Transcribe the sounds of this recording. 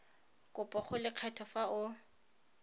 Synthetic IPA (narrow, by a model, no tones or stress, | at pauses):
kʼʊpʼɔχʊlɪq͡χʰatʰɔfaʊ